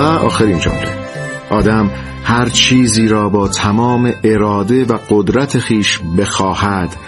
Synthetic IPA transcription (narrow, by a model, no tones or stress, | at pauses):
æʔɒ̰ːxeɾiːnd͡ʒɒ̰ːmɾʰo | ʔɒːd̪æm | hæɾt͡ʃʰiːziːɾɒːbɒːt̪ʰæmɒːme̞ʔeɾɒːd̪e̞væɢ̥od̪ɾæt̪ʰexiːʃbe̞xɒːhæd̪̥